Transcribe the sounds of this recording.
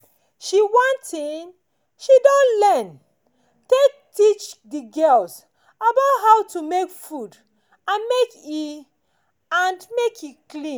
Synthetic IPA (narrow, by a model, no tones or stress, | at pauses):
ʃiwɔ̃ntʰĩn | ʃidɔ̃nlɛn | tek̚tit͡ʃdiɡɜls | abaʊtɦaʊtumekfud | ãnmeki | ãnmekʰiklĩn